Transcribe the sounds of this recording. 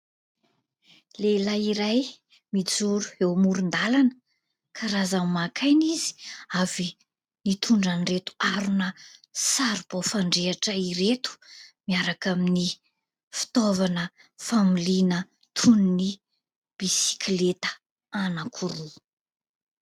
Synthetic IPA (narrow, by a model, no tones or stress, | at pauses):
lelaiɾaj | mid͡zuɾu̥ewmuɾund̪alanə | kʰaɾazammakʰajnizi̥avi | nit̪ʰuɳɖ͡ʐaniret̪u̥aɾunəsaɾub̥ofaɳɖ͡ʐeaʈ͡ʂəiɾet̪u̥miaɾakamini | fi̥t̪ovanə | familinə | t̪ʰunni | b̥isi̥klet̪ə̥ | anakʰuɾu